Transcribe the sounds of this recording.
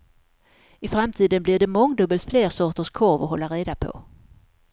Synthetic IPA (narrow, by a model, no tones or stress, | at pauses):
ɪfɾamt̪ʰiːd̪ənblɪɖɛmɔŋːd̪ɵbːəlt̪fleːɾsɔːʈəʂkʰɔɾvɔɦɔlːaɾeːd̪apʰɔ̰